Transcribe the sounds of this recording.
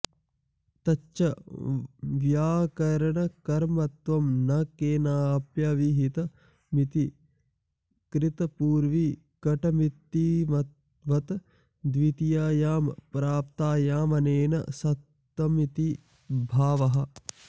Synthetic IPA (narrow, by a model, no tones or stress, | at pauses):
t̪ɐt͡ʃʃɐ | ʋjaːkɐɾɐɳɐkɐɾmɐt̪ʋɐmnɐkeːnaːpjaʋiɦit̪ɐ | mit̪i | kɾɪt̪ɐpuːɾʋi | kɐʈɐmit̪ːiɐ | ʋɐt̪ɐ | d̪ʋit̪ijaːjaːmpɾaːp̚t̪aːjaːmɐneːnɐ̰sɐt̪ | ʋɐmit̪i | bʱaːʋɐɦɐ̆